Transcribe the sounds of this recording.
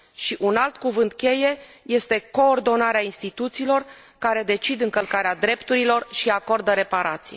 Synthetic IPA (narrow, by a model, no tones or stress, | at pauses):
ʃiʔunalt̪kuvɨnt̪̚kʲe̞je̞je̞st̪e̞ko̞ːrd̪o̞naɾeainst̪it̪ut̪siːlo̞rkaɾe̞d̪e̞t͡ʃid̪ɨŋkəlkaɾead̪ɾe̞pt̪uɾilo̞rʃiako̞rd̪əɾe̞paɾat̪sije